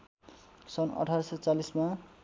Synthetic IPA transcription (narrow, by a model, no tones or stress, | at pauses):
sʌnʌ̰ʈʰaɾsʌt͡salisma